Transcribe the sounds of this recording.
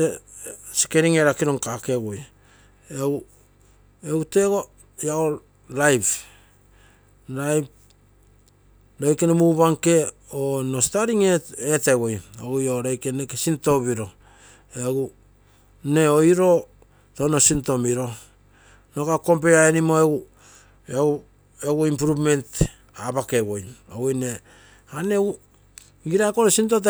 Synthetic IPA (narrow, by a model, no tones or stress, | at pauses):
esi̥ke̞ɾiŋeɾakiɾo̞ŋkakeɡoj | ew | ewte̞ɡo̞ | jao | lajp | lajp | ɾojkenemuβaŋke̞ono̞staɾiŋeetewojoɡujoɾojkenekesinto̞βiɾo̞ | eɡu | ne̞oiɾo̞ | tono̞sinto̞miɾo̞ | nokako̞mp̬eaenimo̞eɡu | eu | eɡuimpɾupme̞nt | abake̞wo̞joɡojne | aneɡu | ɡiɾakonosintot̬